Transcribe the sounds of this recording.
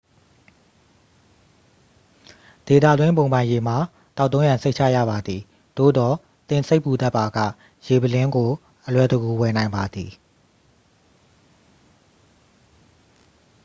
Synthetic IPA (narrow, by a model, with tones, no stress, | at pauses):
d̥e˨t̪ä̰˦˨dwɪ̃˦mp̬õ˨ʊ̃mbã˨ɪ̃je˨m̥a˨ | t̪a˦ʊt̪ːõ˦jã˨nse˦ɪʔ̚t͡ɕʰa̰˦˨jä̰˦˨ba˨d̪ði˨ | d̪̥o̰˦˨d̪ɔ˨ | t̪ɪ̃˨nse˦ɪʔpːu˨t̪ɛ˦ʔpːa˨ɡä̰˦˨ | je˨bəlɪ̃˦ŋɡo˨ | ʔəlwɛ˦˨də˨ɡu˨wɛ˨nã˨ɪ̃mba˨d̪ḭ˨